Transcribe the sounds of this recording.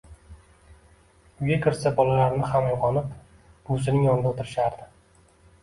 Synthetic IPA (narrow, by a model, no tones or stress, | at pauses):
ʊɡʲakʰʲɪɾsabɒlalaɾnɪhamajʁɒnɪp | b̥ʊs̬ɪnɪŋjɒnɪd̪aot̪ʰɪɾɪʃaɾd̪ɪ